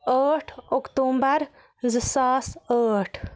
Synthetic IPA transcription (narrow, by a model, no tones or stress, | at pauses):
əːʈʰokt̪uːmbəɾ | zɨsaːsəːʈʰ